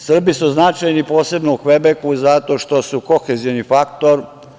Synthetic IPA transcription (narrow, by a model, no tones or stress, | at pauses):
sr̩bisuznat͡ʃajnipo̞ːse̞bnouxʋebekuzat̪o̞ːʃt̪o̞suko̞xezijnifakt̪oɾ